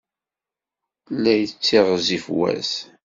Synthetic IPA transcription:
lːæjət͡sːiʁzifwæ̰s

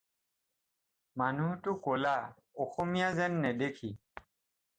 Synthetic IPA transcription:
manutʊkola | ɔxɔmijazɛnːɛdekʰi

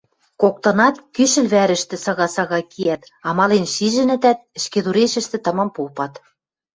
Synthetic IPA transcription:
kok̚t̪ɤ̆nɑt̪kyʃɘ̆lβæɾɘ̆ʃt̪ɘ̆sɑɣɑsɑɣɑkʰiæt̪ | ɑmɑlenʃiʒɘ̆nɘ̆t̪æt̪̚ɘ̆ʃked̪uɾeʃɘ̆ʃt̪ɘ̆t̪ɤ̆mɤ̆mpupɑt̪

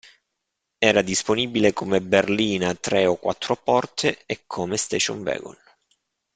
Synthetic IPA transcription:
ɛːɾad̪isponiːbilekomeberliːnat̪ɾeɔkːwa̰t̪ːɾopɔrt̪ʰeekʰːomest̪ɛʃɔ̰nvɛ̰ːɡɔ̰n

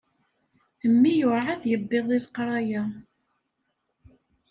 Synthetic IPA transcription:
əmːijʊʕaðjəbːeðˤiðqɾˤɑja

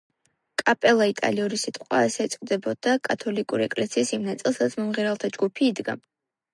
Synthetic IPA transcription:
kʼapʼɛlˠait̪ʼa̰liuɾisit̪ʼqʼwasɛːt̪sʼqʼd̪ɛbɔd̪̥akʼat̪ʰɔlikʼuɾiɛkʼlɛsiːsimnat̪sʼilˠsɾat̪sʰmɔmʁiɾalˠt̪ʰad͡ʒɡupʰiːd̪ɡa̰

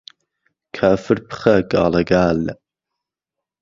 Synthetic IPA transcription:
kʰaːfɨɾpʰɨ̥χɐɡɑːlɐɡaːl

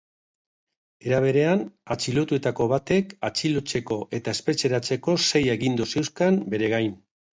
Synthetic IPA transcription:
e̞ɾaβ̞e̞ɾe̞anat͡ʃilot̪ue̞t̪ako̞βat̪e̞kat͡ʃilot͡se̞ko̞ʔe̞t̪ae̞spet͡ʃe̞ɾat͡se̞ko̞se̞je̞ɣind̪use̞wskambe̞ɾe̞ɣajn

